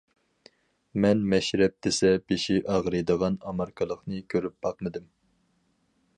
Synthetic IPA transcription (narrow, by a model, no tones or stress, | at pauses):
mɛnmɛʃɾɛp̚d̪ɪsɛbeʃiʔɑʁɾɨjd̪əʁɑnɑmɑɾkʰɨlˠəqnɨkʲʰøɾyp̚b̥ɑq̚mɨd̪ɪm